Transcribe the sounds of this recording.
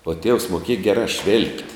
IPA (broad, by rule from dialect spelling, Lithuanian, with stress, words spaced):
uɔ tʲiɛws moːˈkʲiɛjɛ ˈɡʲæːˌrɑː ʃʲʋʲɪlʲpʲtʲ